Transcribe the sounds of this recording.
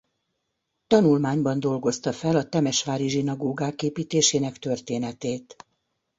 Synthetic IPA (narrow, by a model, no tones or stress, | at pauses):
t̪ɒnulmaːɲbɒnd̪o̞lɡo̞st̪ɒfɛlɒt̪ɛmɛʃʋaːɾiʒinɒɡoːɡaːkeːpiːt̪eːʃeːnɛkt̪ø̞rt̪eːnɛt̪eːt̪